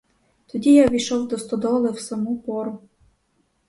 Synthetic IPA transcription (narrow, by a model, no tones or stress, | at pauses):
t̪ɔd̪ʲijaʋʲiʃɔwd̪ɔst̪ɔd̪ɔlˠɛwsɐmupɔɾʊ